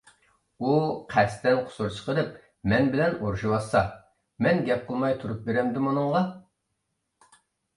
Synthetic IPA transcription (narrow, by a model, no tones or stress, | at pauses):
uqʰæst̪ɛnqʰʊ̥suɾt͡ʃʰə̥qʰəɾˠɨp̚ | mɛnbɪlɛnoɾʃiwɑsɑ | mɛnɡʲɛp̚qʰəlˠmɑjt̪ʰuɾup̚beɾɛmd̪ɪmonɨŋʁɑ